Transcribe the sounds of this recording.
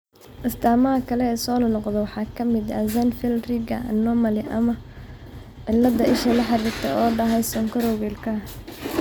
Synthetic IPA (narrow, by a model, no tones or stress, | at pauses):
ʔɪst̪ʰaːmɐɦɐkʰɐlɛːsɔːnɐnɔqd̪ɐwɑħɑːkʰɐmɪd̪ɐ̰zɐnfɪlrɪɡɐ̰nɔmɐlɪʔɐmɐ | ʕɪlːɐd̪ɐʔɪʃɐlɐħɑɾɪkt̪ʰɛɔːɖɐɦɛjsɔŋkʰɐɾɔɣɛlkʰɐ